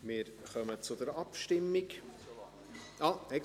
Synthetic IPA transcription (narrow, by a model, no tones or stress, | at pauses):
mɪːɾχœmət͡sʊd̪əɾɑpʃtɪmːik | ɑːɛ